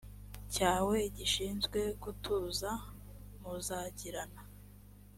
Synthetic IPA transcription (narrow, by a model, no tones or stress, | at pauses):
caːwe̞ɟiʃiːnzɡwe̞kutʰuːza | muzaːɟiɾana